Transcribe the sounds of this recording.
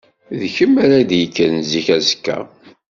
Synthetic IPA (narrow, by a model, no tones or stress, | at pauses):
ðçəmːæɾæd̪jəkːənziçæzəkːæ̰